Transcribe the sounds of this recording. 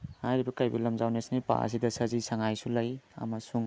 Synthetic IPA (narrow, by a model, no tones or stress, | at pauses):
hajɾibɐkajbɐlɐmzawnesnipa̰ɐ̰sidɐsɐzisɐŋajsulɐjɐ̰mɐsuŋ